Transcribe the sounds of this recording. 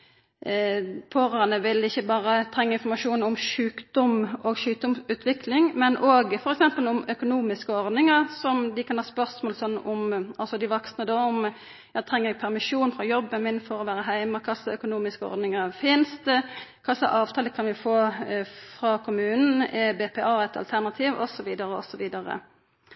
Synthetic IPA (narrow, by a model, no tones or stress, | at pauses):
pʰoːɾøːnəʋɪlɪçːəbɑːɾət̪ʰɾɛŋːəɪnfɔɾmɑʂuːnɔmʃʉːkd̪̥ɔmoːɡʃʉːk̚d̪ɔmʉːt̪ʰʋɪklɪŋmɛnʔoːɡfɔɾɛksɛmpəlʊmœkʊnuːmɪskəɔɾd̪nɪŋɑʁsɔmd̪ɪkʰɑnhɑːspœɾsmoːlsɔnːɔmɑlsɔd̪ɪʋɔksnəd̪oɔm | jɑɪt̪ʰɾɛŋːəɾɛɡ̚pʰæɾmɪʂuːnfɾɑjɔbːənmɪnfɔɾɔʋæːɾəɦæɪməkʰɑsːɑœkʊnuːmɪskəɔ̰ɾd̪nɪŋɑɾfɪnst̪əkʰɑsːə̰ʔɑːʋt̪ʰɑːləkʰɑnʋɪfoːfɾɑkʰʊmʉːnn̩ɛbɛːpʰɛɑːɛt̪ʰɑ̰lt̪ʰæʁnɑt̪ʰiːʋɔ̰sɔʋiːd̪ɑɾəɔ̰sɔʋiːd̪ɑɾə̰